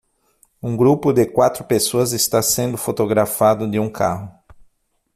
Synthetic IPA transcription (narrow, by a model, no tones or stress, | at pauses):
ũɡɾupʊd̪ɪkwat̪ɾʊpesoɐzɪst̪asẽnd̪ʊfot̪oɡɾafad̪ʊd̪ɪũkʰa̰ɦʊ